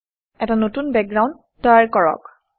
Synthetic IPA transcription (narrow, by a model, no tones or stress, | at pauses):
ɛtanotunbɛk̚ɡɹaw̃nd | tːɔjaɹkɔɹɔ̰k